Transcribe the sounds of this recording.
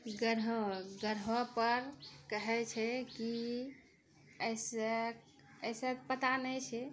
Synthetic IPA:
ɡəɾɡəɾɦəpəɾkəɦɛt͡ʃʰɛki | əjsek | əjsət̪pət̪anɛt͡ʃʰɛ

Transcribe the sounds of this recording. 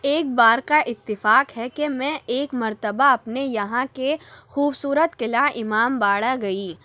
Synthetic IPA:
eːk̚baːɾkaʔɪt̪ːɪfaːkɦɛkemɛ̃ʔeːkmɐɾt̪əbaɐpnejɐɦãkexuːbsuːɾət̪kɪlaːʔɪmaːmbaːɽaɡɐiː

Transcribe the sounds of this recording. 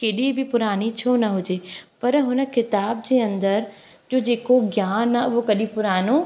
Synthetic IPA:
keːɗibʱɪpʊɾaːnit͡ɕʰonɐɦʊd͡ʑeːpɐɾɦʊnə̆kɪt̪aːb̚d͡ʑeːɐ̃nd̪əɾ | d͡ʑoːd͡ʑeːkoɡjaːnʊʋokɐɗĩpʊɾaːno

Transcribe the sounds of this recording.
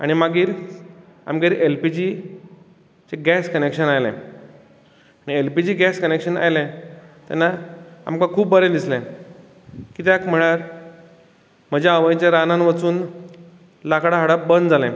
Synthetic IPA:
a̰ɽ̃imaɡiːɾ | a̰mɡeɾʔelpid͡ʑi | t͡seɡɛskənekʂənajlɛ̰̃ | aɽ̃ielpid͡ʑiːɡɛskənekʂəna̰jlẽt̪a̰nːaa̰mkãkʰuːpbbəɾẽd̪islɛ̃ | kiːt̪jakm̤əɽ̃aɾ | m̤əd͡ʑaaʋəjt͡ɕẽɾananʋat͡suːn | lakɽaɦaɽabənd̪d͡zalɛ̃

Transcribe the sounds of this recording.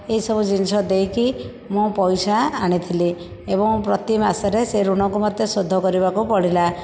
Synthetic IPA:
eisɔbud͡ʒinsɔd̪ejki | mũpɔjsaːɽ̃it̪ʰili | ebɔŋpɾɔt̪imasɔɾeseɾuɽ̃ɔŋkumɔt̪jɔsod̪ʱːɔkɔɾibakupɔɽ̤ila

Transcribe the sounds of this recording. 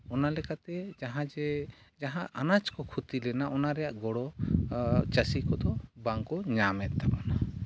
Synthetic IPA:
ɔnalɛkat̪ɛd͡ʒaɦãd͡ʒɛd͡ʒaɦãʔanat͡ʃkɔkʰut̪ilɛnaʔɔnaɾɛjaʔɡɔɽɔ | t͡ʃəsikɔd̪ɔbaŋkɔɲamɛt̪̚ˀt̪abana

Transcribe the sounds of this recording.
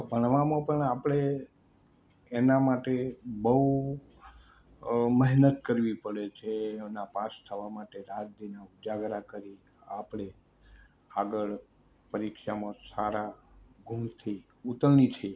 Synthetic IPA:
bʱəɳ̃ʋamãpəɳapɽ̃e | namaʈebəu | məɦnət̪kəɾʋipəɽet͡ʃʰenapast̪ʰəʋamaʈeɾad͡ʒd̪inaud͡ʒaɡɾakəɾi | apɽ̃e | aɡəɭ | pəɾikʃamãsaɾaɡʱumt̪ʰi | ut̪əlnit͡ʃʰie

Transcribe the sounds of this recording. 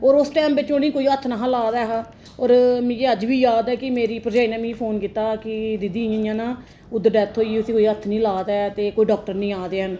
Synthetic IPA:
oːɾʊsʈɛːmbɪt͡ʃõniːkoːiːət̪ʰːnaɦãːlaːd̪ɛːɦaː | oːɾmɪ̃eəd͡ʒʋiːjaːd̪ɛːkɪmeːɾiːpəɾd͡ʒaːiːnãːmĩːpʰoːnkiːt̪aːkɪd̪ɪd̪iːjãijãːnaː | ʊd̪ːəɾɖɛːt̪ʰɦoːiʊsĩːkoːiːət̪ʰnĩːlaːd̪ɛːt̪eːkoːiːɖɔːk̚ʈəɾnĩːaːd̪eːɦən

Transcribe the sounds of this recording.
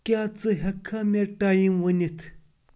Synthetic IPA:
kʲat͡səɦəkʰamerʈajənwənət̪ʰ

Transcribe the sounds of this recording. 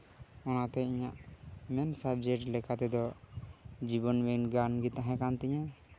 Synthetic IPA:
ɔnat̪ɛiɲaʔmɛnsabd͡ʒɛkʈlɛkat̪ɛd̪ɔ | d͡ʒibɔnbɛnɡanɡit̪aɦɛ̃kant̪iɲa

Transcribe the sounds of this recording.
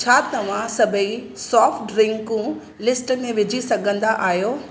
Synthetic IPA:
t͡ɕʰaːt̪ɐʋ̤ãsɐbʱəi | sɔːfʈɖɾɪ̃ŋkũ | lɪsʈə̆mẽʋɪd͡ʑʱisɐɡʱə̃nd̪aʔaːɦjoː

